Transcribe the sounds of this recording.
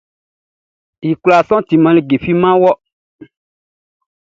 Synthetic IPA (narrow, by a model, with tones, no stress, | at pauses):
ji˨kla˨sɔ̃˦t̪i˨mã˨li˨ɡe˨fi˦mã˦wɔ˦